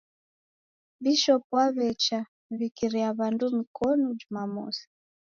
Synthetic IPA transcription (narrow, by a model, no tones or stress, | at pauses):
βiʃɔpwaβɛt͡ʃa | βikiɾiaβandumikʰɔnɔd͡ʒumamɔ̰si̥